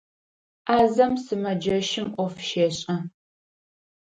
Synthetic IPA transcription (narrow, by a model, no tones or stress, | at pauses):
aːzɐmsɨmɐd͡ʒɐʃɪmʔʷɔfʃeːɕʼɐ